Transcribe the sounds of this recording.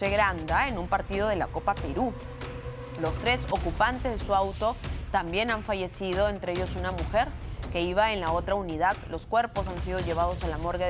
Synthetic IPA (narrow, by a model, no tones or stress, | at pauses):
eɣɾand̪ae̞numpaɾt̪ið̞o̞ð̞e̞lako̞pape̞ɾu | lo̞st̪ɾe̞so̞kupant̪e̞zðesuawt̪o̞t̪ambje̞naɱfaʝe̞siðo̞e̞nt̪ɾeeʝo̞sunamuxe̞ɾke̞iβ̞ae̞nlao̞t̪ɾauniðaðlo̞skwe̞ɾpo̞sansiðo̞ʝe̞β̞að̞o̞salamo̞ɾɣe